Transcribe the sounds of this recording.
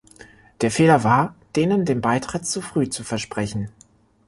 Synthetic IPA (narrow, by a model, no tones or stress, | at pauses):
d̥eːɐfeːlɐvaːɐd̥eːnəndeːmbaɪtʁ̥ɪt̚t͡sufʁ̥yːt͡sufɛɐʃpʁ̥ɛçn̩